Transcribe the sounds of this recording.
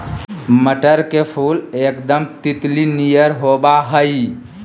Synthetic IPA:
məʈəɾkepʰulekd̪əmt̪it̪linijəɾɦobaɦəj

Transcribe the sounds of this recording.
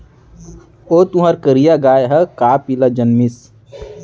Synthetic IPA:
oːt̪uɦaɾkəɾijaɡaːeɦəkaːpilad͡ʒənmɪs

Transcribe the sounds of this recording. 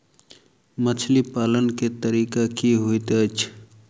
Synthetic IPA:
mət͡ʃʰlipaːlənket̪əɾiːkakiɦuit̪eət͡ʃʰ

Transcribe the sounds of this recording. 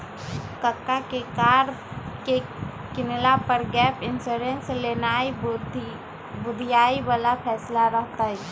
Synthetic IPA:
kəkːakekaːɾ | ke | kɪnlapəɾɡɛːpʰɪnsoɾẽnslenaːi | bʊd̪ʱijaːibaːlapʰɛːslaɾəɦt̪aɦɛ

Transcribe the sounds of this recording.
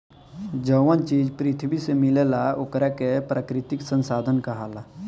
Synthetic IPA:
d͡ʒəːwənt͡ʃiːd͡ʒpɾɪt̪ʰbisemɪlelaʊkɾɛkepɾakɾɪt̪ɪksə̃nsaːd̪ʱənkaɦaːlaː

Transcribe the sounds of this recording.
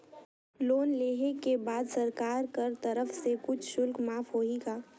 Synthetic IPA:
loːnleːɦekebaːd̪sɐɾkaːɾkɐɾt̪ɐɾəfsekʊt͡ʃʰʃʊlkmaːfɦoːiɡaː

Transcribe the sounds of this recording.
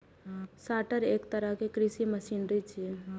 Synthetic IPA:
saʈəɾekt̪əɾəɦkekɾisiməsinɾəjt͡ʃʰiɛ

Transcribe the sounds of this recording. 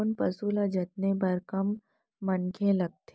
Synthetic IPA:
npɐsuːlad͡ʒɐt̪̚nebɐɾkɐmː | ɐnkʰẽlɐɡ̚t̪ʰe

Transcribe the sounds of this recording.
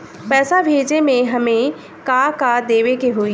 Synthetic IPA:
pɛːsabʱeːd͡ʒemẽɦɐmẽ | kaːkad̪eːʋekeɦoːiː

